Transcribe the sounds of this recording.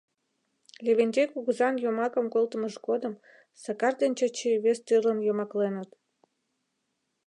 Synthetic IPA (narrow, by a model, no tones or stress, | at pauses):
lʲeβenʲt͡ɕekuɣuzɑnjomɑkə̆mkolt̪əməʒɡod̪ə̆m | sɑkɑrd̪enʲt͡ɕət͡ɕeβest̪yrlənjomɑklenət̪